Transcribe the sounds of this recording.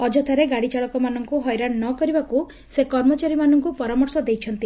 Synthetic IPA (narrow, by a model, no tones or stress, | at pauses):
ɔd͡ʒɔt̪ʰaɾeɡaɽit͡ʃaɭɔkɔmanɔŋkuɦɔjɾannɔkɔɾibaku | sekɔɾmɔt͡ʃaɾimanɔŋkupɔɾamɔɾsɔd̪ejt͡ʃʰɔnt̪i